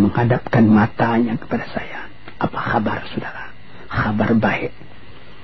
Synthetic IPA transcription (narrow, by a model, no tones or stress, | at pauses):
məŋadap̚kanmat̪aɲakə̥padasaja | ʔːpaxabarsudaɾa | xabarbaɛʔ